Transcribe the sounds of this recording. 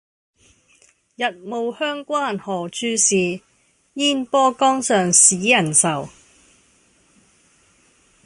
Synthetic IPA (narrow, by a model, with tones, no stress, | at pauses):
jɐ˨t̚mo˨whœː˥ŋkʷaː˥nhɔː˨˩t͡ʃʰyː˧siː˨ | jiː˥npɔː˥kɔː˥ŋsœː˨ŋsiː˨˥jɐ˨˩nsɐ˨˩w